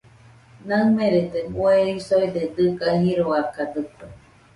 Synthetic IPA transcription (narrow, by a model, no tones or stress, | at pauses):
namẽɾed̪ebueisoid̪ed̪ɨkaɦĩɾoakad̪ɨka